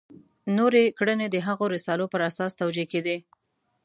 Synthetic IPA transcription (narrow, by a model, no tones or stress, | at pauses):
noɾekɽəned̪əɦaɣoɾɪsɑlopəɾasɑst̪awd͡ʒeked̪i